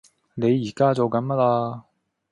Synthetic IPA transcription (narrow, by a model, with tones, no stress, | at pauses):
ne˨˧jːiː˨˩kaː˥t͡ɕo˨wkɐ˨˥nmɐ˥t̚laː˧